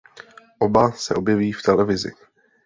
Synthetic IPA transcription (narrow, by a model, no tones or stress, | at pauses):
ʔo̞basɛʔo̞bjɛviːft̪ɛlɛvɪzɪ̰